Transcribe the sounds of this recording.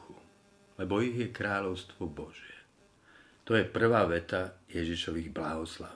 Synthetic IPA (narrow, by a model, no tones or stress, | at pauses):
u | lɛbɔiɣjɛkɾaːʎɔʊst̪ʋɔbɔʒɪjɛ | t̪ɔjɛpr̩ʋaːʋɛt̪ajɛʒiʃɔʋiɣblaɦɔsla